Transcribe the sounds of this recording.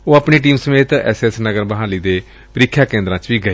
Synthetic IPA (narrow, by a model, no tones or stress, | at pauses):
oːaːpɳiːʈ̬iːmsəmeːt̪ɛ̰ːsɛːsnəɡəɾbəɦaːliːd̪eː | pəɾɪkʰːjaːkẽːnd̪ɾãːt͡ʃʋiːɡəi